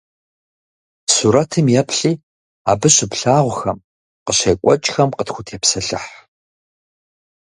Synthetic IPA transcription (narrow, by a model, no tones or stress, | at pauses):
suːɾɐtʰɨmjɛpʰɬiː | a̰ːbɨɕɪpɬaːʁʷʊxɐm | qəɕeːkʷʼɔt͡ʃʼxɐmqətxʷʊtʰeːpsɐɬɨ̰ħ